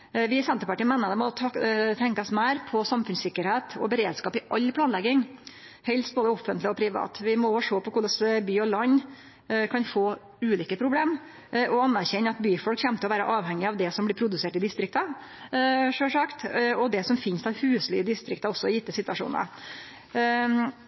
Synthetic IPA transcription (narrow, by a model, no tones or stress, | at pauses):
ʋɪsɛnt̪əɾpɑʈiːmɛːnːəɾd̪ɛmɔt̪ʰɑt̪ʰɛŋkɑsmæɪɾpʰɔsɑmfʉnsɪkːəɾheːt̪ɔ̰bəɾeːd̪skɑːpɪʔɑlːpʰlɑːnlɛɡɪŋ | hɛlst̪boːd̪əɔfənt̪lɪɔpʰɾɪʋɑ̰ːt̪ʋɪmɔoːʋʂoːpɔkʰʊɖ̪ɑsbyːɔlɑɲː | kʰɑnfoː | ʉːliːkəpʰɾʊbleːm | ʔɔɑnːæɾçɛɲːəɑt̪byːfɔlkçɛmt̪əɔʋæːɾə̰ʔɑːʋhɛŋːɪɑʋd̪ɛsɔmblɪɾpʰɾʊd̪ʉseːʈɪd̪ɪst̪ɾɪkt̪ɑ | ʂøːʂɑkt̪ɔd̪ɛsɔmfɪnst̪ʰɑʋhʉːslɪəd̪ɪst̪ɾɪkt̪ɑɔsːɔɔjɪt̪ːəsɪt̪ʋɑʂṵːnə̰